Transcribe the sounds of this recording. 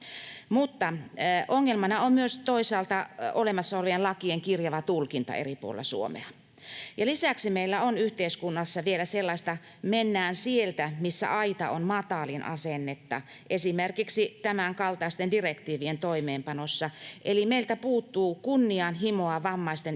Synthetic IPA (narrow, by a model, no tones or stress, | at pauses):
mut̪ːɑʔoŋːelmɑnɑommyøst̪oisɑːlt̪ɑolemɑsːɑolʋiellɑkieŋkirjɑʋɑt̪ulkint̪ɑ̰ḛripṵolḛlːˑɑsṵo̰mḛɑ | jɑlisæksimeilːæonyht̪eiskunːɑsːɑʋielæselːɑist̪ɑ | menːæːnsielt̪æmisːæ̰ʔɑit̪ɑ̰onmɑt̪ɑlinʔɑ̰senːet̪ːɑ̰ | ʔesimerkiksit̪æmæŋkɑlt̪ɑist̪endirekt̪iːʋient̪oimeːmpɑnosːɑʔelimeilt̪æpuːt̪ːuːkunːiɑnɦimoɑʋɑmːɑist̪en